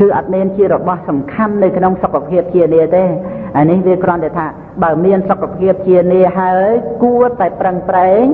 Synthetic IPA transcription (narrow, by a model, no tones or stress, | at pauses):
kɨːʔɑt̪̚miənt͡ɕiəɾɔɓɑhsɑmkʰanːɨwkʰnoŋsokʰːapʰiəp̚t͡ɕiəniət̪eː | ʔaənihʋiəkrŏənt̪ɛt̪ʰaː | ɓaəmiənsokʰːapʰiəp̚t͡ɕiəniəɦaəjkuət̪aɛprəŋpraɛŋ